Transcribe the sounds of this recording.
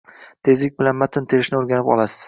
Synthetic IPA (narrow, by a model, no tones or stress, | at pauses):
t̪ʰe̞zɪk̚ʲbɪlanmat̪ʰɪnt̪ʰeɾɪʃnɪoɾɡʲanɪpɒ̰lˠasɪ̥z̥